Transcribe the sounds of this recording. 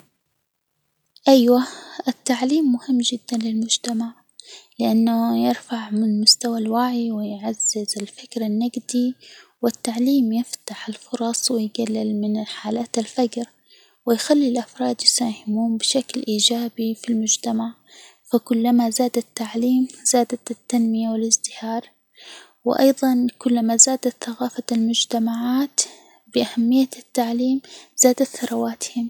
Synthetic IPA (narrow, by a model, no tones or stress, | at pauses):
ʔajwaʔɪt̪ːaʕliːmːʊhɪmːd͡ʒɪd̪ːanlɪlmʊd͡ʒt̪amaʕ | lɪʔanːajɪɾfaʕmɪnmʊst̪awalwaʕiwɪjʕaz̥ːɪzɪlfɪkɾanːaɡd̪iwɪt̪ːaʕliːmjɪft̪aħɪlfʊɾˤɑsˤwɪjɡalːɪlmɪnħaːlaːt̪alfad͡ʒɾ | wɪjxalːilʔafɾˤɑːd̪jɪsaːhɪmuːmbɪʃaklʔiːd͡ʒaːbifilmʊd͡ʒt̪amaʕ | fakʊlːamazaːd̪at̪ːaʕliːmz̥aːd̪at̪t̪ːanmɪjawɪlɪzd̪ɪhɑːɾˤ | wɪʔɑ̰jðˤɑnkʊlːamazaːd̪at̪θaɣaːfalmʊd͡ʒt̪amaʕaːt̪ | bɪʔahamːɪjːat̪ːaʕliːmz̥aːd̪at̪θɑɾˤɑwaːt̪hɪm